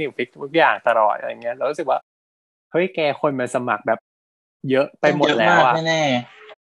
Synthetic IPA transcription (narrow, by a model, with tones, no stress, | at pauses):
i˧˩t̪ʰi˦˥k̚t̪ʰu˦˥k̚jaː˨˩ŋt̪a˧lɔ̰ː˨˩t̪̚ʔa̰˧˨˩ŋːi˦˥ɐʔɛː˦˥wɾu˦˥sɯ˨˩k̚waː˥˩ | hɤ˦˥jkɛː˧kʰo˧nma˧nsa˧ma̰˨˩k̚bɛː˨˩p̚ | jɤ˦˥ʔpa˧jjmo˨˩t̪̚lɛː˦˥wʔa˨˩ɛ˥˩nɛː˥˩